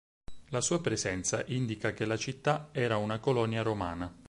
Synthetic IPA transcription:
lasuːapɾezɛnt̪saʔind̪ikak̟elat͡ʃit̪ːaɛːɾaunakolɔniaɾomaːna

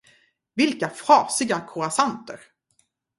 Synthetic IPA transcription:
vɪlkafɾɑːsɪɡakʰʊɾasant̪əɾ

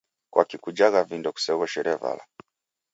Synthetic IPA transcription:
kwʔakikud͡ʒaɣavindɔku̥sɛβɔʃɛɾiava̰la̰

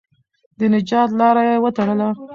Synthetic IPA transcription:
d̪ənɪd͡ʒɑt̪lɑɾajewət̪aɽəla

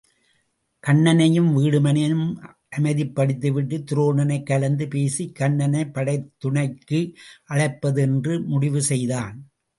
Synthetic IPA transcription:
kɐɳːɐnɐjɯmʋiːɽɯmɐnɐɯm | ʔɐmɐɪðɪpːɐɽɪt̪ːɯʋɪʈːɯt̪ɪɾoːɳɐnɐɪkːɐɭɐnd̪ɯpeːsikːɐɳːɐnɐɪpːɐɽɐɪt̪ːʊɳɐɪkːɯʔɐɻɐɪpːɐðɯɛndrɯmʊɽɪʋɯsɛjðaːn

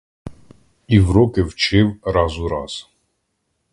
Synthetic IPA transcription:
ivɾɔkɛvt͡ʃɛwɾazuɾa̰z̥

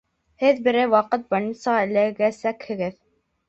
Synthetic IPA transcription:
hɘðbɘ̆ɾɘwɑqɤt̪̚bɑɾnʲit̪sɑʁɑɘ̆lɘɡæsækhɘ̆ɡɘð

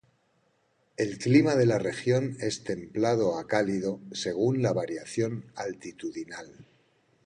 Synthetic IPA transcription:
e̞lklimað̞e̞lare̞xjo̞ne̞st̪e̞mplað̞o̞akalið̞o̞se̞ɣ̞unlaβaɾjaθjo̞nalt̪it̪uðinal

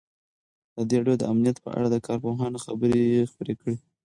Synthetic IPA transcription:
d̪̥əd̪eɾɑɖjod̪ə̰amnijat̪pə̰ʔa̰ɽad̪əkɑɾpoɦɑnxa̰bəɾeexpəɾekəɽi

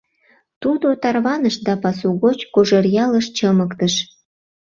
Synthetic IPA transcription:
t̪ud̪ot̪ɑrβɑnəʃd̪ɑpɑsuɣot͡ɕkoʒərjɑləʃt͡ɕəməkt̪əʃ

